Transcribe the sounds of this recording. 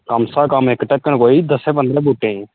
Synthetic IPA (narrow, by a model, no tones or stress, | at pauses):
kamsaːkamekʈəkːəɳkoːid̪əsɛ̃ːp̬ənd̪ɾɛ̃ːbuʈːẽ